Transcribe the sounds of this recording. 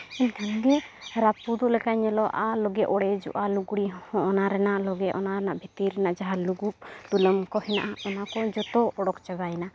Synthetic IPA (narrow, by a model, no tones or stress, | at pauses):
ɛnt̪ʰaŋɡɛɾapud̪ɔlɛkaɲɛlɔʔalɔɡɛʔɔɽɛd͡ʒɔ̰ʔaluɡɽihɔ̃ɔnaɾɛnaʔlɔɡɛʔɔnaɾɛnaʔbʱit̪iɾɛnaʔd͡ʒaɦaluɡup̚t̪uləmkɔhɛna̰ʔaɔnakɔd͡ʒɔt̪ɔɔɽɔkt͡ʃabajɛna